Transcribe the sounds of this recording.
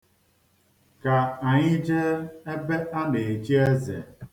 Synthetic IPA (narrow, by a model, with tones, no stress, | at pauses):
ka˨a˨ɲɪ˦d͡ʒe˦e˦be˦ʔa˦ne˨e˨t͡ʃi˦e˦zḛ˨